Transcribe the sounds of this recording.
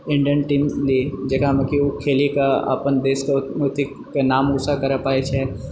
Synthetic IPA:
ɪ̃ɳɖijənʈiːmlid͡ʒɐkamɐkiʊkʰeːlikaa̰ːpənd̪eːskeut̪ik | kːenaːmʊsakɐɾəpaːet͡ʃʰɛ

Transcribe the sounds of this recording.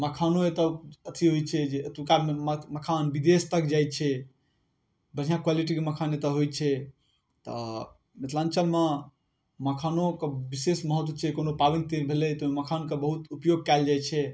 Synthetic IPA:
məkʰanoet̪əət̪ʰiɦojt͡ʃʰɛd͡ʒeət̪ukaeməkʰanbid̪est̪əkd͡ʒajt̪̚t͡ʃʰɛ | bəɽ̤ijãkwaliʈikeməkʰanet̪əɦojt͡ʃʰɛ | t̪ɔ̰ | met̪ʰlant͡ʃəlme | məkʰanokebisesməɦət̪wət͡ʃʰɛkonopabint̪ebʱelɛt̪ɔeməkʰankebəɦut̪upjoɡ̚kaɪld͡ʒajt͡ʃʰɛ

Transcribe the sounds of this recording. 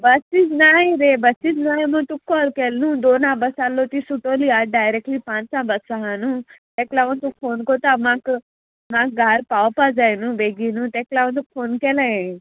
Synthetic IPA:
bɐsid͡ʒnaːɦẽɾebɐsid͡ʒnaːɦẽmũt̪ukːɔːlkeːlnũd̪oːnãːbɐsaːlːot̪isuʈoːliaːɖaːjɾekʈlipãːt͡ʃsãbɐsaɦanũt̪eklaõnt̪ukfʰoːnkoːt̪amãːk | mãːk̚ɡʱaɾpaːwpad͡zaːjnũbeːɡinũt̪eːklaõnt̪̬ukfʰoːnkeːlaẽ

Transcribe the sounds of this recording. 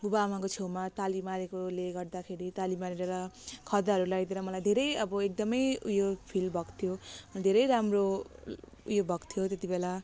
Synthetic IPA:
bubamakot͡sʰemat̪alimaɾekoleɡʌrd̪akʰeɾit̪alimaɾeɾʌɾʌkʰʌd̪aɦʌɾulaɡd̪eɾʌmʌlajd̪ʱeɾʌjʌbʌek̚d̪ʌmʌjujopʰilbʱʌkt̪ʰijomʌad̪ʱeɾʌjɾamro | ujobʱʌkt̪ʰijot̪et̪ibela

